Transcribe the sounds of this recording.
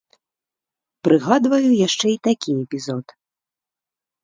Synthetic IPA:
pɾʔɨɣad̪vɐjujaʂt͡ʂɛit̪akʲiɛpʲizɔt̪

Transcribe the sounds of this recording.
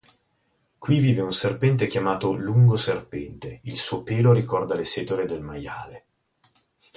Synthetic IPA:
kwiviːveunserpɛnt̪ekjamaːt̪oluŋɡoserpɛnt̪eilsuopeːloɾikɔrd̪aleseːt̪oled̪elmaja̰ːle

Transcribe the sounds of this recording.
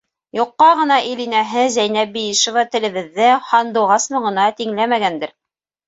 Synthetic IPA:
joqːɑʁɤ̆nɑʔilinæɦɘzæjnæbijiʃŏvɑt̪ɘ̆lɘ̆βɘ̆ðːɘhɑnd̪ŭʁɑsmɤ̆ʁɤ̆nɑt̪iŋlæmæɡænd̪ɘɾ

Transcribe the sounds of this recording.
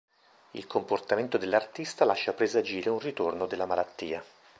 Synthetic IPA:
ḭlkʰomport̪ament̪od̪elːart̪ist̪alaʃːapɾezad͡ʒiːɾeunrit̪ornod̪elːamalat̪ːiːa

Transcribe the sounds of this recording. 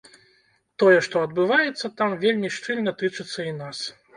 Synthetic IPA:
t̪ɔjɛʂt̪ɔɐd̪bɨvajɛt̪sːɐt̪amvʲelʲmʲiʂt͡ʂɨlʲnɐt̪ɨt͡ʂɨt̪sːɐinas

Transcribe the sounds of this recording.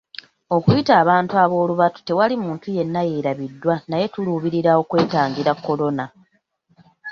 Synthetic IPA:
o̞kujitaːβaːntuaβo̞ːluβatu̥te̞walimuːntuje̞nːajeɾaβidːwanaje̞tuluβiɾiɾao̞kwe̞ːtaːŋɟiɾakːo̞lo̞na

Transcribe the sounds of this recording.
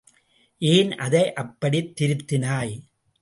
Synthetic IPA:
ʔeːnɐðɐɪʔɐpːɐɽit̪ːɪɾɯt̪ːɪnaːj

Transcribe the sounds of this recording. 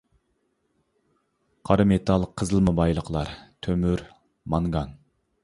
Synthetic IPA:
qʰɑɾɨmet̪ʰɑlˠqʰːəzəlˠməbɑjlˠəqʰlˠɑɾt̪ʰømyɾ | mɑŋɡɑn

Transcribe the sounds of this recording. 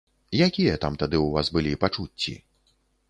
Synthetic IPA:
jakʲijɐt̪amt̪ad̪ɨuvasbɨlʲipat͡ʂut͡sʲːḭ

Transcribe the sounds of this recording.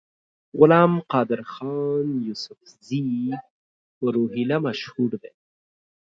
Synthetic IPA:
ɣʊlɑmqɑːd̪ɪɾxɑnjusʊfzi | pəɾoɦilamaʃhuɽd̪e

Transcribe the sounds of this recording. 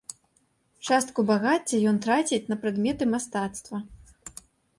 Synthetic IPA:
t͡ʂast̪̚kubaɣat͡sʲːɐjɔnt̪ɾat͡sʲit͡sʲnɐpɾɨd̪mʲɛt̪ɨmast̪at̪st̪vɐ

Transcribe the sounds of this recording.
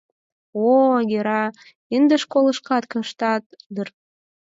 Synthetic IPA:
oɡeɾɑ | ind̪əʃkolə̆ʃkɑt̪kɤ̆ʃt̪ɑt̪̚d̪ər

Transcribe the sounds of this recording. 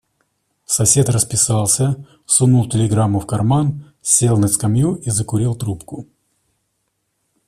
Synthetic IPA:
sɐsʲe̞t̪rəspʲɪsalˠsʲə | sunulˠtʲɪlʲɪɡɾamːʊfkɐrman | sʲe̞lˠnəskɐmjuʔizəkʊɾʲilˠt̪ɾupkʊ

